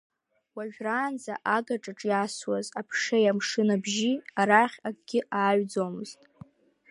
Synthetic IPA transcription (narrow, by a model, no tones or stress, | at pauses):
waʒᶣraːnd͡za̰ʔaɡaʈ͡ʂʼaʈ͡ʂʼjaswazapʰʂejamʂɨnabʒiaɾaχʲaɡʼɡʲɪʔaːɥd͡zomɨztʼ